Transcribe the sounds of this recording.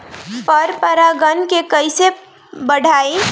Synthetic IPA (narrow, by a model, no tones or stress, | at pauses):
pəɾpəɾaɡənkekəɪse | bəɽʱaːe